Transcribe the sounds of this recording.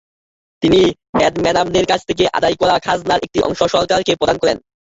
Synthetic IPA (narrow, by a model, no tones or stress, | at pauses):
t̪ini | mɛɖmɛnamneɾkat͡ɕʰt̪ʰek̬eʔa̰d̪ajkɔɾakʰaznaɾek̚ʈiʔɔ̰ŋʃoʃɔɾkaɾkepɾod̪ankɔɾḛn